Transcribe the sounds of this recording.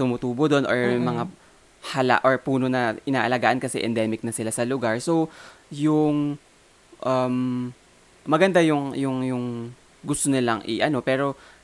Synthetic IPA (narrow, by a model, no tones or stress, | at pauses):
t̪ʊmʊt̪uːbod̪o̞nʔoɹmɐŋa | hɐla̰ʔoɹpuːno̞nɐɪnaːʔɐlɐɡaːʔɐnkɐsɛ̰ʔɛnd̪ɛːmɪk̚nɐsɪlasɐlʊɡaɹso̞w | jʊŋ | ʔɐm | mɐɡɐnd̪ajʊŋjʊŋjʊŋ | ɡʊst̪onɪlaŋʔɪʔɐno̞pɛːɾo̞